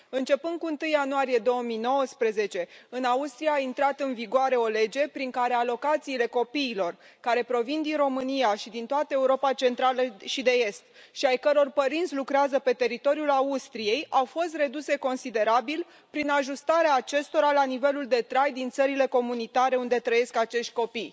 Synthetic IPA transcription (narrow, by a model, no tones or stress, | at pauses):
ɨnt͡ʃe̞pɨnd̪̚kuɨnt̪ɨjːanuaɾije̞d̪o̞əmijno̞wəspɾe̞ze̞t͡ʃe̞ɨnaust̪ɾijaːint̪ɾat̪ɨnviɡoaɾe̞o̞le̞d͡ʒe̞pɾiŋkaɾe̞alo̞kat̪siːle̞ko̞piːlo̞r | kaɾe̞pɾo̞vind̪inro̞mɨnijaʃid̪int̪oat̪əe̞uɾo̞pat͡ʃe̞nt̪ɾaləʃid̪e̞e̞st̪ | ʃiajkəɾo̞rpəɾint̪sʲlukɾeazəpe̞t̪e̞ɾit̪o̞ɾiulaust̪ɾije̞jawfo̞st̪re̞d̪use̞ko̞nsid̪e̞ɾabil | pɾinaʒust̪aɾeaːt͡ʃe̞st̪o̞ɾalanive̞luld̪e̞t̪ɾajd̪int̪səɾile̞ko̞munit̪aɾe̞und̪e̞t̪ɾəje̞skat͡ʃe̞ʃt̪̚ʲko̞pij